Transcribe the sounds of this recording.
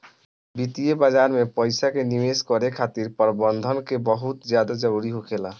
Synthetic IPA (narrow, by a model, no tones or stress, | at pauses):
bit̪ijebad͡ʒaɾmepɔjsakenimeskɔɾekʰat̪iɾpɔɾbɔnd̪ʱɔnkebɔɦut̪d͡ʒjad̪ad͡ʒʌɾuɾiɦokʰela